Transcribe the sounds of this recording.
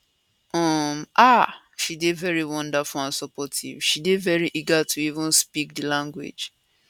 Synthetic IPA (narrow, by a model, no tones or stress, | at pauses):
ɔma | ʃidevɛɹiwɔ̃ndafuãnsɔpɔtʰḭv̥ʃidevɛɹiʔiɡatʰuivũnspik̚dilãŋɡwḛd͡ʒ